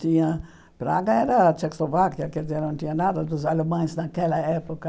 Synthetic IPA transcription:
t̪ĩɲɐ | pɾa̰ɡɐɛɾɐt͡ʃɛkozlovakiɐkɛd̪ɪzeɾnɐ̃w̃t̪ĩɲɐnad̪ɐd̪ʊzalemɐ̃j̃znɐkɛlɐɛpokɐ

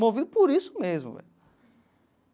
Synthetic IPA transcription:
movid̪ʊpoɾisʊ̥mezmʊ̰vɛ̰ʎ

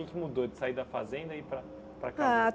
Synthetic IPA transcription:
ẽkɪmud̪od͡ʒɪsaid̪ɐfazẽnd̪ɐipɾɐ | pɾɐkaa

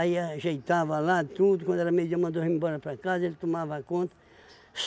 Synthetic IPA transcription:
jɐʒɐjt̪avɐlat̪ud̪ukwɐ̃nd̪ɛɾɐmed͡ʒamɐ̃nd̪ohimbɔɾɐpɾakazɐelt̪umavɐkõnt̪ɐ | s

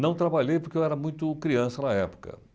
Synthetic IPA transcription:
nɐ̃w̃t̪ɾabaʎejpoɾkewɛɾɐmũj̃t̪ʊkɾiɐ̃sɐnɐɛpʊ̥kɐ̰

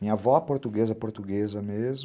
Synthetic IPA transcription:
mĩɲɐvɔpoɾt̪uɡezɐpoɾt̪uɡezɐmez

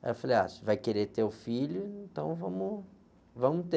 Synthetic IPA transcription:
ɛ̰faleja̰svajkeɾet̪eʊfilʊẽẽnt̪ɐ̃w̃vɐ̃mʊ | vɐ̃mʊt̪e

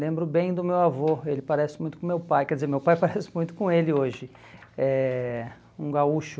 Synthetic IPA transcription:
lẽmbɾʊbẽj̃d̪ʊmewavoelɪpaɾɛsɪ̥mũj̃t̪ʊkõmewpajkɛɾd̪ɪzeɾmewpajpaɾɛsɪ̥mũj̃t̪ʊ̥kõelɪoʒɪ | ɛ | ũɡauʃʊ

